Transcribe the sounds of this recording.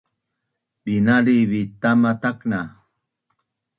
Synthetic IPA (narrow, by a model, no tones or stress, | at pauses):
binaliβit̪amat̪akna